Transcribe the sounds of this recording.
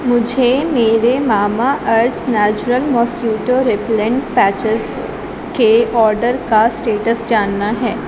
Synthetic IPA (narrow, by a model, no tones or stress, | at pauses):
mʊd͡ʒʱemeːɾemaːmaʔɐɾt̪ʰnɛːt͡ʃʊɾəlmɔːskjuːʈoɾɪplẽɳʈpɛːt͡ʃəs | keɔːɾɖəɾkasʈeːʈəsd͡ʒaːnːaɦɛː